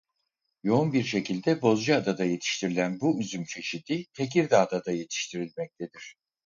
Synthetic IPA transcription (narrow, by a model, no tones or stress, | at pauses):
jo̞unbiɾʃe̞cʰilʲd̪ɛbo̞zd͡ʒɯad̪ad̪aje̞t̪ʰi̥ʃt̪ʰiɾilʲænbuyzymt͡ʃʰe̞ʃid̪ʰit̪ʰe̞c̬iɾd̪aːd̪ad̪aje̞t̪ʰi̥ʃt̪ʰiɾilʲmɛc̚t̪ʰed̪iɾ̥